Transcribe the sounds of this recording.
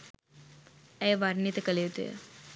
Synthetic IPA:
ejʋaɾnit̪ekəlewt̪ḛ

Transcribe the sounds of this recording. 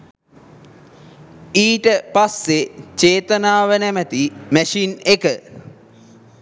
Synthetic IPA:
iːʈəpasːet͡ʃeːt̪ənaːʋənæmət̪imæʃinekə

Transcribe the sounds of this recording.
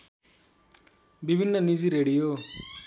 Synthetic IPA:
bibʱinːʌnid͡ziɾeɽijo

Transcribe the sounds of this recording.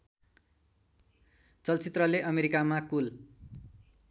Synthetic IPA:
t͡sʌlt͡sit̪rʌleʔʌmeɾikamakul

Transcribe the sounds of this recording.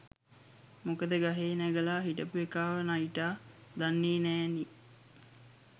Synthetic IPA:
mokəd̪əɡaɦeːnæɡəlaːɦiʈəpuekaːʋənaiʈaːd̪anːeːnæːni

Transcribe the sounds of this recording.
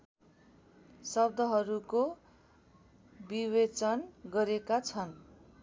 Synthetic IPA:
sʌb̚d̪ʱʌɦʌɾuko | biwet͡sʌnɡʌɾekat͡sʰʌn

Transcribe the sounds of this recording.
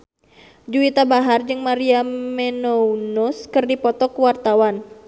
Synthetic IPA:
d͡ʒuit̪abaɦard͡ʒɨŋmaɾiamɛnounɔskɨrdipɔt̪ɔkuwart̪awan

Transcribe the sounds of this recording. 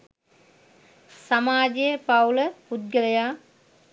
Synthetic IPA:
samaːd͡ʒejəpawləpud̪̚ɡəlɐjaː

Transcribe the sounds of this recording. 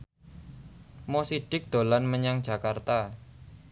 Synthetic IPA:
mɔsiɖ̥ɪ̤k̚d̪̥olanməɲaŋ̥d͡ʒ̥a̤kart̪a

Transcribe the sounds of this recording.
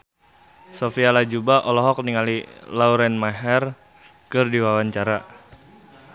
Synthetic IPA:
sofialad͡ʒubaʔɔlɔɦɔk̚niŋalilauɾɛnmaɦɛr | kɨrdiwawaɲt͡ʃaɾa

